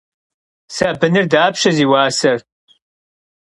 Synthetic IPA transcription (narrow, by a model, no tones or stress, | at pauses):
sɐbɨnɨrdaːpʃɐziːwaːsɐr